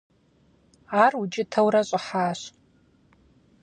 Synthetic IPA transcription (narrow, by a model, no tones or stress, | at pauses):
arut͡ʃʼɪtʰɐwɾaɕʷʼɪħaːɕ